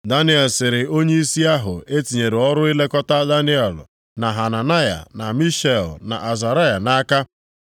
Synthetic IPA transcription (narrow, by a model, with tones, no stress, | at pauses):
da˦nɪ˦ɛ˨lsɪ˨ɾɪ˨o˦ɲe˦i˦si˦a˦ɦʊ̰˨e˦ti˨ɲe˨ɾɪ˨ɔ˦ɾʊ˦i˦le˦kɔ˦ta˦da˦nɪ˦ɛ˨l | na˨ɦa˨na˨na˦ja̰˨na˨mi˦ʃe˨lna̰˨ʔa˨za˨ɾa˦ja˨na˦ka˦